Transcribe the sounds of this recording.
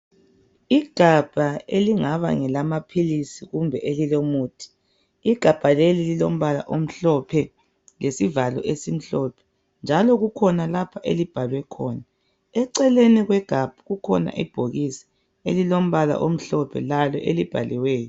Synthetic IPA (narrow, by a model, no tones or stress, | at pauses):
iɡ̥ʱab̥ʱaeliŋaβa̰ŋɛlamapʰilisiɣumbʱɛʔelilomuːtʰi̥ | iɡ̥ʱab̥ʱalelililo̰m̩βala̰ʔom̩ɬɔpʰɛ | lesivalɔ̰ʔesim̩ɬɔːpʰɛ̥ | nd͡ʒʱalɔɣukʰɔnalapʰaʔḛlib̥ʱalwɛkʰɔːna | ɛǀɛleniɣwɛɡ̥ʱab̥ʱuɣukʰɔna̰ʔib̥ʱoɣisi̥ | elilom̩βala̰ʔom̩ɬɔpʰɛ̰lalɔ̰ʔelib̥ʱa̰liwɛːjɔ